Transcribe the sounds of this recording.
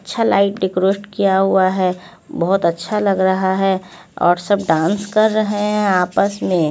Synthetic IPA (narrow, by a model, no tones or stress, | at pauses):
ɐtːʃʰalaːɪʈ̚ɖɪkɾoːʃʈkijaɦuaɦɛ | bɔɦʊt̪ətːʃʰalɐɡɾɐɦaɦɛ | ɔ̰ːɾsɐb̚ɖãːnskɐɾːəɦeeɦɛ̃aːpəsmẽ